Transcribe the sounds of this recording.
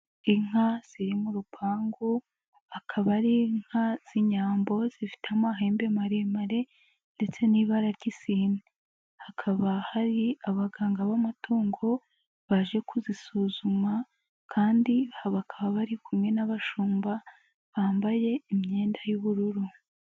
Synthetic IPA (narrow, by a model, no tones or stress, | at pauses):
iŋ̥az̥iɾimuɾupʰaːŋɡo | akʰaβaɾiŋ̥haz̥iɲaːmbo̞z̥ifi̥tamaɦeːmbe̞maɾemaɾe̞ | nde̞t͡se̞niːβaɾaɾɟisiːne | hakʰaβahaɾiaβaɡaːŋɡaβamatʰoːŋɡo̞ | βaʒe̞kʰuzisuːzuma | kʰaːndihaβakʰaβaβaɾikumŋe̞naβaʃuːmba | βaːmbaje̞imɲe̞ːndajuβuɾuɾu